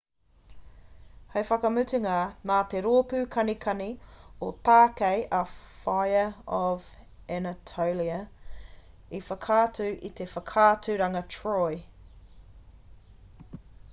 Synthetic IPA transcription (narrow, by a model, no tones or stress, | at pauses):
hɐjfɐkɐmʉtiŋanaːt̪eɾoːpʉːkʰɐnikʰɐniot̪aːkejʔɐfajəɔv | ɛnɐtʰowliɐ | ifəkʰaːtʰʉʔit̪ʰefəkʰaːtʰʉɾɐŋɐtʰɹoj